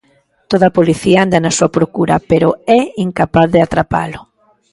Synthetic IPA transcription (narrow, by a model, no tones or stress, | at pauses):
t̪oðɐapoliθiaand̪anɐsuɐpɾokuɾɐpeɾʊɛiŋkapaððɪat̪ɾapa̰lʊ